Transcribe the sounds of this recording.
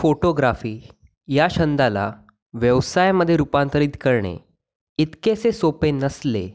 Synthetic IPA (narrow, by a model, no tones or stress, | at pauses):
foʈoɡɾafiː | jaɕənd̪ala̰ | ʋjəʋsajməd̪ʱːjeɾupãnt̪əɾiːt̪kəɾɳḛ | it̪kesesopenəsle